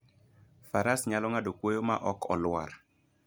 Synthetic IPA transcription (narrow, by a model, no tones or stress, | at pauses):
faɾasɲalɔŋadokwojoma̰ʔɔkʰɔlwa̰ɾ